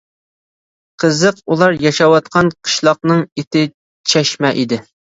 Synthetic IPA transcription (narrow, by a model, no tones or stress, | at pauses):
qʰəzəqulˠɑɾjɑʃɑwɑt̪qʰɑnqʰə̥ʃlˠɑq̚nɨŋet̪ɪ | t͡ʃʰɛʃmɛʔid̪ɪ